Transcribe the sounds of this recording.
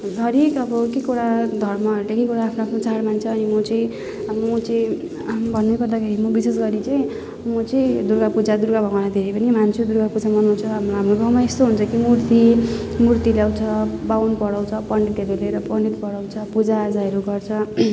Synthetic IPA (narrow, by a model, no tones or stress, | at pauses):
ɡʱʌɾekʌbʌkekuɾad̪ʱʌrmʌɦʌɾulekekuɽaːpʰnoːpʰnot͡saɽmant͡sʰʌːnimʌt͡sʌĩ | mʌt͡sʌĩ | bʱʌnːekʌrd̪akʰeɾimʌbisesɡʌɾit͡sʌĩ | mʌt͡sʌĩd̪uɾɡapud͡zad̪uɾɡabʱʌnanad̪ʱeɾepʌnimant͡sʰud̪uɾɡapud͡zamʌnunt͡sʰʌɦamoɦamroɡʱʌmaest̪oɦunt͡sʰʌkimurt̪imurt̪ilawt͡sʰʌbawnpʌɽawt͡sʰʌpʌɳɖʈeɾeleɾʌpʌɳɖit̪pʌɽawt͡sʰʌpud͡zaːd͡zaeɾuɡʌrt͡sʰʌ